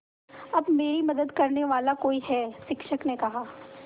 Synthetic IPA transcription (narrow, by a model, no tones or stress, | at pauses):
ɐbmeːɾimɐd̪əd̪kɐɾneʋaːlakoːiɦɛːʃɪkʃəknekɐɦaː